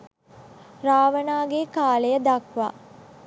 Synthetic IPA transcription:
raːʋənaːɡekaːlejəd̪akʋa̰ː

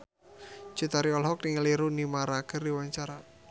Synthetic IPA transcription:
d͡ʒ̥ut̪aɾiɔlɦɔkniŋəliɾunimaɾakərdiwaɲt͡ʃaɾa

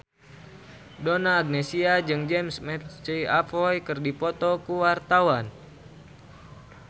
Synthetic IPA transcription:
donaːɡ̚nɛsiad͡ʒɨŋd͡ʒɛmsmɛt̪t͡ʃiapɔjkɨrdipɔt̪ɔkuwart̪awan

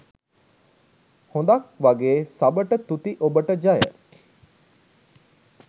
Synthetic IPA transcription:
hõnd̪ɐkʋɐɡeːsɐbəʈət̪ut̪iʔobəʈəd͡ʒɐjə̰

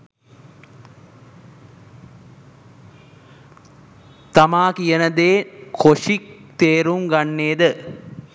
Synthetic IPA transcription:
t̪amaːkijənəd̪eːkʰoʂik̚t̪eːɾuŋɡanːeːd̪ə

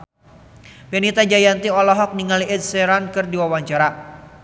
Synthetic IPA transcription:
bɛnit̪ad͡ʒajant̪iɔlɔɦɔk̚niŋaliɪt̪̚sɛɾankɨrdiwawaɲt͡ʃaɾa

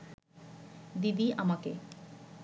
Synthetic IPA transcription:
d̪id̪iʔamake

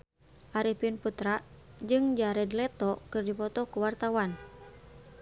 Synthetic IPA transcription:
ʔaɾipinput̪ɾaʔd͡ʒɨŋd͡ʒaɾɛdlɛt̪ɔkɨrdipɔt̪ɔkuwart̪awan

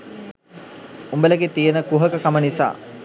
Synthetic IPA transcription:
umbələɡet̪ijənəkuɦəkəkamənisa̰ː

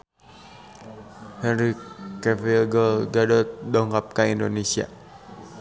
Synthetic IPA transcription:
hɛnɾikːɛfilɡɔlɡadɔt̪̚dɔŋkap̚kaindonesia̰

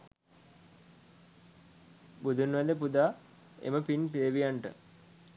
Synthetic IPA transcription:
bud̪ʱunʋɛd̪epud̪aː | ḛməpinpeʋijaɳʈə̰

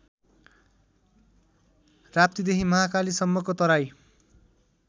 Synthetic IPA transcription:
rap̚t̪id̪eɦimʌɦakalisʌmːʌkot̪ʌɾaj

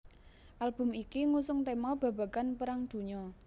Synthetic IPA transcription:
ʔalb̥ʊ̤mikiŋusʊŋt̪emɔb̥ä̤ba̤kanpəɾaŋd̪̥ṳɲɔ

